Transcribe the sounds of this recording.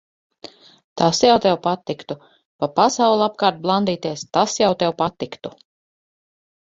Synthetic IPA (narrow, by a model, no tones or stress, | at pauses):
t̪asjawt̪ɛwpat̪ːikt̪u | papasawlˠap̚kaːɾt̪̚blˠand̪iːt̪iɛst̪asjawt̪ɛwpat̪ikt̪u